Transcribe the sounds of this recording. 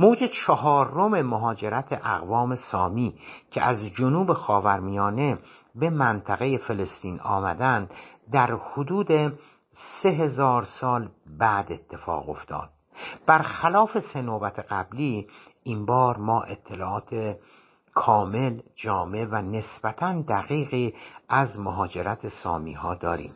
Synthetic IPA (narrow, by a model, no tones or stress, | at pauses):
moːd͡ʒet͡ʃʰɒɦɒːɾome̞moɦɒːd͡ʒe̞ɾæt̪ʰeʔæɣvɒːme̞sɒːmiːcʰḛʔæzd͡ʒonuːbe̞xɒːvæɾmijɒːne̞ | be̞mænt̪ʰæɣe̞jefe̞le̞st̪iːnɒ̰ːmæd̪ænd̪d̪æɾhod̪uːd̪e | se̞ɦe̞zɒːɾsɒːlbæːd̪e̞t̪ʰːe̞fɒ̰ːɣo̞̰ft̪ʰɒ̰ːd̪̥̚ | b̥æɾxælɒːfe̞senoːbæt̪ʰeɣ̥æbliː | ʔimbɒːɾmɒːʔe̞t̪ʰːe̞lɒːʔɒːt̪ʰe | kʰɒːme̞ld͡ʒɒːme̞væne̞sb̥æt̪ʰænd̪æɣiːɣiːʔæzmoɦɒːd͡ʒe̞ɾæt̪ʰesɒːmḭːhɒːd̪ɒːɾḭːm